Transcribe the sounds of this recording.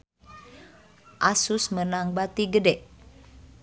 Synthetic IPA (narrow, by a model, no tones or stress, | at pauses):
ʔasusmənaŋbat̪iɡədɛʔ